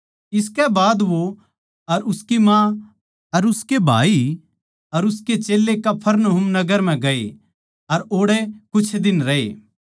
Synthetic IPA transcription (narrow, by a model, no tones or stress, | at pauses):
ɪskɛbaːd̪ʋo | ɐɾʊskimã | ɐɾʊskebʱa̰ːi | ɐɾʊsket͡ʃeːlːekɐpʰəɾnoɦʊmnɐɡəɾm̤ɛ̃ɡɐḛ | ɐɾoːɽɛkʊt͡ʃʰd̪ɪnɾɐḛː